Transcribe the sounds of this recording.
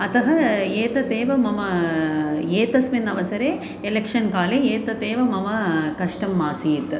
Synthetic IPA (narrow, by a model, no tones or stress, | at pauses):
ɐt̪ɐɦɐeːt̪ɐt̪eːʋɐmɐmɐ | eːt̪ɐsʋinɐʋɐsɐɾeː | elekʂɐnkaːleeːt̪ɐt̪eːʋɐmɐmɐkɐʂʈɐmːaːsiːt̪